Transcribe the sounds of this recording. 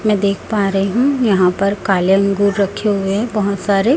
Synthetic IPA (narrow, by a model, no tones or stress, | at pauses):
mɛ̃ːd̪eːkʰpaːɾəɦiɦũjɐɦãpɐɾkaːljəŋɡuːɾːɐkʰːeɦʊeɦɛ̃bɐɦʊt̪saːɾe